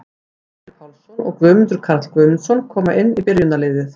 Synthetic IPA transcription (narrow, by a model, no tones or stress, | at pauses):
t̪ɾpʰawlsɔnɔ̰ɣkvʏːmnt̪ʏɾkʰaɾt̪lkvœmnsɔnkʰɔːmaʔɪnːipɪɾjʏnaleːðɪθ